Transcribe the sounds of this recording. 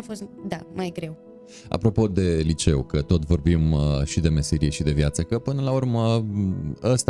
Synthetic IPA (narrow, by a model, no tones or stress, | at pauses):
fo̞st̪d̪amajɡɾe̞w | a̰pɾo̞po̞d̪e̞lit͡ʃe̞ukət̪o̞t̪vo̞rbimʃid̪e̞me̞seɾijeʃid̪e̞vjat̪səkəpɨnəlaurmə | əst̪